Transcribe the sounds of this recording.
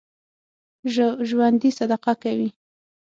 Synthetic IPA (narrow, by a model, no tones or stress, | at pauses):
ʒwand̪isad̪aqakawi